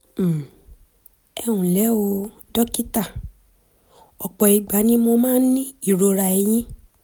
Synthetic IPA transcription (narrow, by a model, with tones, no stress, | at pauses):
ɛ˧wũ˨lɛ˨˦o˧ | dɔ˦ki˦ta˦˨ | ɔ˨k͡pɔ˨i˨˧ɡ͡ba˨˦nĩ˦mo˧mãː˦nĩ˦i˦˨ɾo˧ɾa˧˨i˧j̃ĩ˦